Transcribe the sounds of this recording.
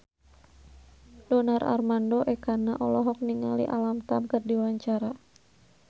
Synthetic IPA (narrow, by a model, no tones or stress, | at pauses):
d̥ɔnara̰rmandɔʔɛkanaʔɔlɔɦɔk̚niŋalḭʔalamt̪amkərdiwaɲt͡ʃaɾa